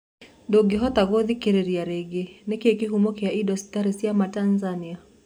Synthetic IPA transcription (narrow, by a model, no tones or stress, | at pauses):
doɡɪɦɔt̪aɡoðikeɾeɾiaɾeɡenekekɪɦumokejaidɔsi̥taɾesiamatanzania